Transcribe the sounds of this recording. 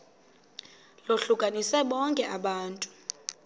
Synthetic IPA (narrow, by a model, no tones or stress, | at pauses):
loɬukʼanisɛɓɔŋkʼɛʔaɓaːntʼu̥